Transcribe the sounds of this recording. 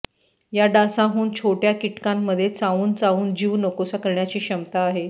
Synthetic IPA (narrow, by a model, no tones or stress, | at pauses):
jaɖasaɦuːnt͡ɕʰoʈjakiʈkãmːəd̪ʱːjet͡saʋuːnt͡sauːnd͡ʑiːʋnokosakəɾɳjat͡ɕiːɕəmt̪aːɦe